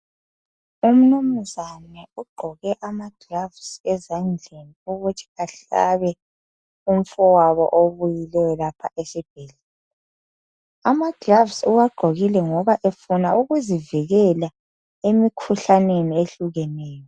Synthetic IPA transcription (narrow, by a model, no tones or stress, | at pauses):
um̩num̩zanɛuɡ͡ǃʱɔɣɛʔamad̥ravsɛzand͡ɮʱeniɔɣutʰi̥aɬa̰βɛ | um̩fɔwaβɔ̰ʔoβujilɛjɔlapʰaʔesib̥̚ʱɛlɛ | amad̥ravsuwaɡ͡ǃʱoɣilɛŋɔβaʔefunauɣuziviɣɛla | emikʰuɬanenieɬuɣɛnɛːjɔ